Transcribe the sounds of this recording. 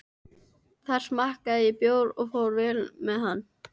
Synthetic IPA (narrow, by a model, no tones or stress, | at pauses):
θar̥smahkaðɪɪpjoːwɾɔɣfoːwɾvɛlmɛðhanː